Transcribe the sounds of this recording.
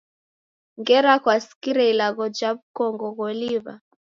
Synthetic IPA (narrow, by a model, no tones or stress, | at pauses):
ŋɡɛɾakwasi̥kiɾɛilaɣɔd͡ʒaβukɔŋɡɔɣɔliβa̰